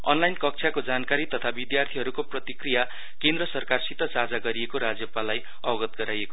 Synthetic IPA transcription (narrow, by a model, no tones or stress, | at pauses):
ʌ̰nlajnkʌk̚t͡sʰjakod͡zankaɾit̪ʌt̪ʰabid̪jart̪ʰiɦʌɾukoprʌt̪ikrija | kẽnd̪rʌsʌrkarsit̪ʌsad͡zaɡʌɾiekoɾad͡zjʌpalaj | ʌbʌɡʌt̪̚ɡʌɾajeko